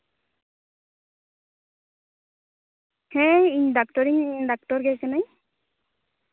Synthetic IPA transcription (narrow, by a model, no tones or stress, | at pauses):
hɛ̃iɲdak̚tɔɾiɲdak̚tɔɾɡɛkanaj